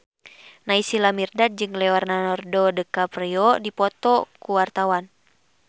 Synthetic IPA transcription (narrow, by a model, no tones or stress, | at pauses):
naisilamirdad̪̚d͡ʒɨŋlɛwarnanɔrdɔdəkapriɔdipɔt̪ɔkuwart̪awan